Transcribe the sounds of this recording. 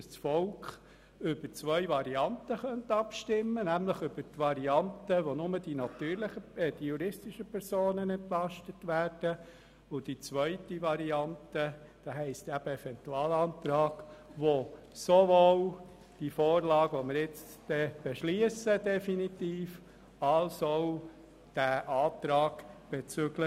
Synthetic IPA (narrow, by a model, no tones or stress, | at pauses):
st͡sfɔlkχ | ʏb̥ət͡sʋœʏʋɑɾiɑnt̪əχœnt̪ɑpʃtɪmːənæmləχʏb̥əɾtʋɑɾiɑnt̪əʋonʊməd̥inɑt̪yːɾlɪχəd̥ijuɾɪstɪʃəpʰɛɾsoːnənɛntlɑʃtətʋæːɾd̥ə | ʊd̥it͡sʋœʏtiʋɑɾiɑnt̪ə | d̥ɑɦɛɪst̪æb̥əɛfɛnt̪uɑːlɑːnt̪ɾɑːɡ̥ʋo | soʋol | d̥ifoːɾlɑːɡʋomɪɾjɪt͡s | d̥ɛb̥eʃliəsədɛfinitiːf | ɑlsoʊ | d̥æʔɑːt̪ɾɑːɡ̥b̥et͡søɡ̥lə